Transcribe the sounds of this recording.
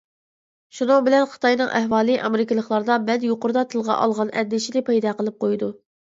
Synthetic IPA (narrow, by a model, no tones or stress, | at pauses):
ʃunɨŋbɪlɛnχə̥t̪ʰɑjnɨŋʔæhwɑːlˠɨʔɑmeɾɪkʲɪlˠəχlˠɑɾd̪ɑbɛld̪joqʊɾd̪ɑt̪ʰɨlˠʁɑ̰ʔɑ̰lˠʁɑnɛ̰d̪ːɪʃid̪ɪpʰɑjd̪ɑqəlˠɨp̚qʰojd̪u